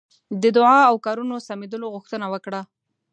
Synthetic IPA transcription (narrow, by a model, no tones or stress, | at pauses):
d̪əd̪ʊʕɑawkɑɾunosamed̪əloɣʊxt̪ənawəkɽa